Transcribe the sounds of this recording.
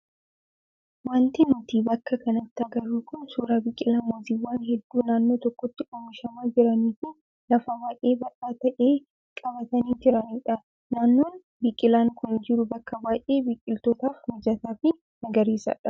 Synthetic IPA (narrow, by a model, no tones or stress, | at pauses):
waːnt̪ɪmʊt̪iːbɐkːɐkɐnɐt̪ːɪɐɡɐɾuːkʊnsuːɾaːbɪkʼːɪlaːmɔziːwːaːnhɛd̪ːuːnaːnːoːt̪ɔkːɔt̪ːɪʔɔmɪʃɐmaːd͡ʒɪɾɐniːtɪn | lɐfɐbaːʔe̞ːbɐʔaːt̪ɐʔeː | kʼɐβɐt̪ɐniːd͡ʒɪɾɐniːᶑɐ | naːnːo̞ːn | bikʼːɪlaːŋkʊnd͡ʒɪɾʊbɐkːɐbaːjʔe̞ːbiːkʼːɪlt̪ɔt̪aːfmɪd͡ʒɐt̪aːfɪ | nɐɡɐɾiːsɐ̰ᶑɐ